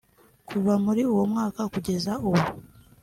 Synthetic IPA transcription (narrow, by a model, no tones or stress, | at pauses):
kʰuβamuɾiuwo̞mŋaːkakuɟe̞zauwo